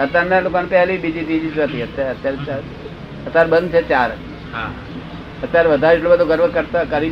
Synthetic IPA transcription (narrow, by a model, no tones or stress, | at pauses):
ət̪ːaɾnːalokanpɛɦlibid͡ʒit̪id͡ʑiːsʋət̪iət̪ːjaɾət̪ːjaɾt͡ʃaɾ | ət̪ːaɾbənd̪̚t͡ʃʰet͡ʃaːɾət̪i | ɦã | ət̪ːjaɾʋəd̪ʱaɾiʈlobət̪oɡəɾʋəkəɾt̪akəɾi